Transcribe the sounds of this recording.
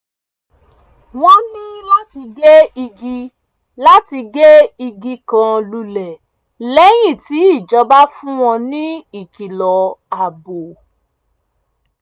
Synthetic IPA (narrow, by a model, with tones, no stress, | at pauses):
w̃ɔ̃˦nĩ˦la˦ti˧ɡe˦i˧ɡi˦ | la˦ti˧ɡe˦i˧ɡi˦kã˧lu˧lɛ˨ | lɛ˨˦j̃ĩ˦˨ti˨˦i˦˨d͡ʒɔ˧˦ba˦fũ˦w̃ɔ̃˦˧nĩ˦i˦˨ki˨lɔ˨a˨bo˨